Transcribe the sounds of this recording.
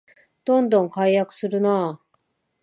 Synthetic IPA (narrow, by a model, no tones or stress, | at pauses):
d̪̥õ̞nd̪õ̞ŋkaijakɯ̟̥sɨɾɯ̟na